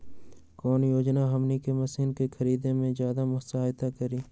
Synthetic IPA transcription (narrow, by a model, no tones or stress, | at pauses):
kɔːnjoːd͡ʒnaɦɐmnikemɐsiːnkexʰəɾiːd̪ẽmẽzjaːd̪amʊsaːɦɪt̪akəɾiː